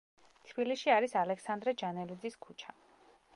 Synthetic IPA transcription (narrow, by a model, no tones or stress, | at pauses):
t̪ʰb̥iliʃiaɾisalɛksand̪ɾɛd͡ʒanɛlid̪ziskʰut͡ʃʰa